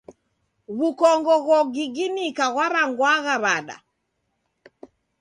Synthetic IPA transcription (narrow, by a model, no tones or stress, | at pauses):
ɣukɔŋɡɔɣɔɡiɡinikaɣwaɾaŋɡwaɣaβaɗa̰